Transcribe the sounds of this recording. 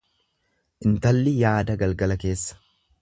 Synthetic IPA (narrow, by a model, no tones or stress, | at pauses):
ʔɪnt̪ɐlːɪjaːd̪ɐɡɐlɡɐlɐke̞ːsːɐ̥